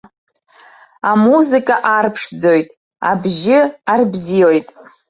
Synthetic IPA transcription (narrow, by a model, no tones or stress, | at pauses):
amuzɨkʼaʔarpʰʂd͡zo̞jtʼ | a̰bʒɪarbzio̞jtʼ